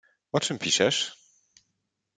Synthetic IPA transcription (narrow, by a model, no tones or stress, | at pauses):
ɔt͡ʂɘmpʲiʂɛʂ